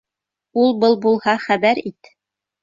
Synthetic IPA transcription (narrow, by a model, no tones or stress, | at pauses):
ulˠbɤlˠbulˠhɑχæβæɾit̪